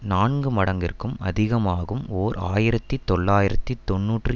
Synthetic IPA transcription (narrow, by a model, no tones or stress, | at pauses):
naːɳɡɯmɐɽɐŋɡɪ̰rkɯmɐ̰ðɪɣɐmaːɣɯmoːɾa̰ːjɪɾɐt̪ːit̪ːɔɭːaːjɪɾɐt̪ːit̪ːɔnːuːʈrɯ